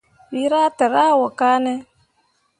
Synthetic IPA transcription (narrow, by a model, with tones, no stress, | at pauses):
wi˦ɾa˦tɪ˨ɾaː˦˨wɔ˨kaː˦nɛ˦